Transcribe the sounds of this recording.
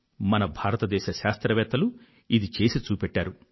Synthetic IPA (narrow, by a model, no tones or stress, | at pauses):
mɐnɐbʱaːɾɐt̪ɐd̪ɛːʃɐʃaːst̪ɾɐʋɛːt̪ːɐlu | id̪it͡ʃe̞ːsit͡ʃuːpɛʈːaːɾu